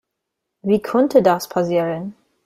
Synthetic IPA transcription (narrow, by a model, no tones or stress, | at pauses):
viːkʰɔntʰədaspʰasiːʁən